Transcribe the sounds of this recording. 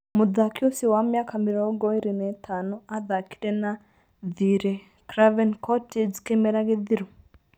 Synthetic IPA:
muðakʰiosiwamjakamiɾɔɡɔiɾinɛtʰanɔaðaki̥ɾɛna | ðiɾɛ | kɾavɛnkʰɔtʰed͡ʒkemɛɾaɣeðiɾɔ

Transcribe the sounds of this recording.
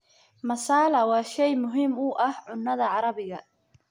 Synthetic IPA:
mɐsaːlɐwɑːʃɛjmʊɦiːmʊʔɐhʕʊnːɐðɐʕɑɾɐβɪɣɐ

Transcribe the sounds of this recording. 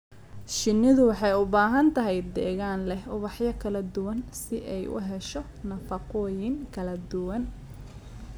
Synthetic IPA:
ʃɪnːɪðʊwɑħɑjʊbaːɦɐnt̪ʰɐɦɛjd̪ɛːɣaːnlɛhʊβɑħjɐkʰɐlɐd̪ʊwɐnsɪʔɛjʔʊ̰ɦɛʃɔ | nɐfɐqɔːjɪŋkʰɐlɐd̪ʊwɐn

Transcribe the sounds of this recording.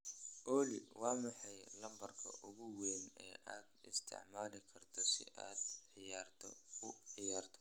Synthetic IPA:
ʔɔːlɪwɑːmɑħɑjlɐmbɐrkʰɐ̰ʔʊɣʊwɛːnɛːʔa̰ːd̪ɪ̰st̪ʰɪ̰ʕmaːlɪkʰɐrt̪ʰɔsɪ̰ʔa̰ːd̪ʕɪjaːrt̪ʰɔ̰ʊʕɪjaːrt̪ʰɔ̥

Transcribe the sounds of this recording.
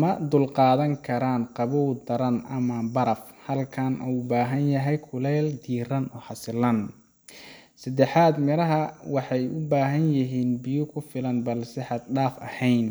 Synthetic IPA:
mɐd̪ʊlqɑːðɐŋkʰɐɾaːnqɑβuwd̪ɐɾɐnɐmɐbɐɾɐfhɐlkʰɐnʔuwbaːɦɐnjɐɦɛjkʰʊlɛːld̪iːrɐnɔːħɑsɪlɐn | sɐd̪ɛħaːd̪mɪɾɐɦɐwɑħɑjʊbaːɦɐnjɪɦiːnbɪjʊkʰʊfɪlɐnbɐlsɛħɑd̪̚ɖaːfɐ̰hɛjn

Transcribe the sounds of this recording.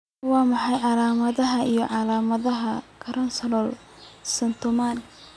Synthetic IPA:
wɑːmɑħɑjʕɑlaːmɐðɐɦɐijɞʕɑlaːmɐðɐɦɐkʰɐɾɐnsɐlɔl | sɐnt̪ʰʊman

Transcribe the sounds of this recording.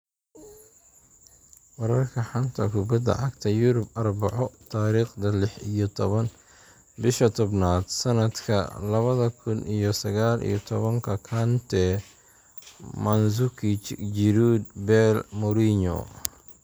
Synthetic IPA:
wɐɾɐrkʰɐħɐnt̪ʰɐkʰʊbɐd̪ɐ̰ʕɑɡt̪ʰɐjʊɾʊbɐrbɑʕɔt̪ʰaːɾiːχd̪ɐlɪħɪjɔt̪ʰɔβɐn | bɪʃɐt̪ʰɔbnaːd̪̥sɐnɐd̪kʰɐ̰lɐβɐðɐkʰʊnʔijɔsɐɣaːlʔḭjɔt̪ʰɔβɐŋkʰɐkʰɐnt̪ʰɛ | mɐnsʊkʰit͡ʃd͡ʒɪɾuːd̪̚bɛlmɔɾiɲɔ̰

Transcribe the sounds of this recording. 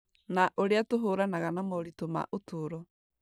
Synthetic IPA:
naʔoɾeatoɦoːɾanaɣanamɔɾitoma̰ʔotʰoːɾɔ

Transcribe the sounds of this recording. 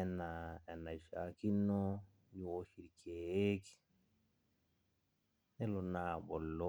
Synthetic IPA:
ɛnaɛnaʃakinːɔ | juoʃiɾkʰeeki̥ | nɛlɔnaːɓɔlːɔ

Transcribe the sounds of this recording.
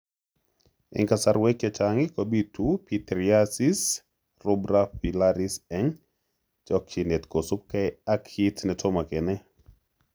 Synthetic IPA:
ɪ̰ŋkasaɾwekɛt͡ʃaŋɪkɔbitupit̪ɾiasis | rʊbɾafilaɾisɛŋ | t͡ʃɔkt͡ʃinet̪kosʊp̚kaɛakhitnɛtɔmakɛnɛ

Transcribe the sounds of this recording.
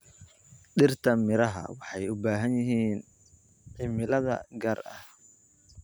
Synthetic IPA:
ɗɪrt̪ʰɐmɪɾɐɦɐ̰wɑħɑjʊbaːɦɐnjɪɦiːn | ʕɪmɪlɐðɐ̰ɡɐːrɐh

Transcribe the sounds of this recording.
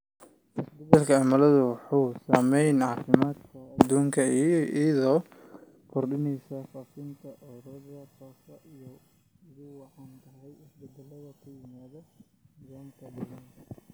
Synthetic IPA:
ʔɪsbɪd̪ɐlkʰɐamɐlɐðʊwħuːsaːmɛjnʕɑːfɪmaːd̪kʰɐɐd̪uːŋkʰɐiʔɐðɔː | kʰɔrɖɪnɛjsɐfaːfɪnt̪ʰɐʔɔɾɔðɐhɔːsɐʔijɔ | ɪðʊwɑħɑːnt̪ʰɐɦɛjɪsbɪd̪ɐlɐðɐkʰʊjɪmaːðɔ | ɪðɔːmt̪ʰɐdɪlɐnk̪ʰɐ

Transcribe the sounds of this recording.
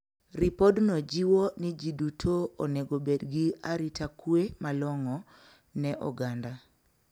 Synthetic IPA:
ripodnod͡ʒiwonid͡ʒidutʰooneɡobedɡiaɾitakwemalɔŋɔ | nɛʔɔ̰ɡanda

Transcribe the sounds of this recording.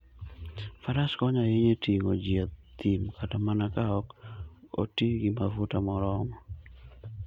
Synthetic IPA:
faɾaskɔɲaiɲetiŋod͡ʒjet̪ːimkʰatamanakaɔko̰tiɡɪmafutamɔɾɔŋɔ

